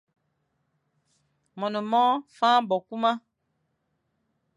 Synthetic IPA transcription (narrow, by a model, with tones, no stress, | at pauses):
mɔ˨nɔ˨mɔ˦fãː˦bɔ˨ku˦ma˦